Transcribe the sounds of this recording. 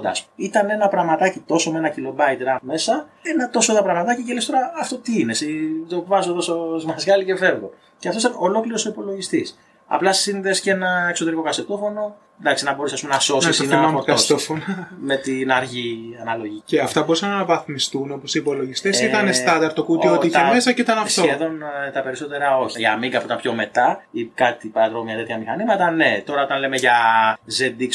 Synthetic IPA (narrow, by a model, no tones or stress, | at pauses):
d̪ɐ̰spuit̪ɐne̞nɐpɾɐɣmɐt̪ɐcit̪o̞so̞meenɐcilo̞bɐit̪ɾɐme̞sɐ | enɐt̪o̞soðɐpɾɐɣmɐt̪ɐciʝelest̪o̞ɾɐːft̪o̞t̪iinesit̪ovɐzoðososmɐzʝɐlice̞fe̞vɣon | ceɐft̪osit̪ɐno̞lo̞kliɾosoipo̞lo̞ʝist̪is | ɐ̰plɐssinðe̞sce̞nɐekso̞t̪e̞ɾiko̞kɐset̪o̞fo̞no̞ | nd̪ɐksinɐbo̞ɾusɐs̬pumnɐso̞sisinkt̪ofnmet̪inɐɾʝiɐnɐlo̞ʝiceɐft̪ɐbo̞ɾisɐnnɐvɐθmist̪uno̞posiːpo̞lo̞ʝist̪esit̪ɐnest̪ɐnd̪ɐɾt̪ːokuiot̪iiçeme̞sɐceit̪ɐnɐft̪oeðo̞nt̪ɐpe̞ɾiso̞t̪e̞ɾɐo̞çiʝɐmiŋɡɐfuit̪ɐmpço̞me̞t̪ɐikɐt̪ipɐðɾomɐt̪e̞t̪çɐmixɐnimɐt̪ɐne̞t̪o̞ɾɐo̞t̪ɐnle̞meʝɐzend̪iks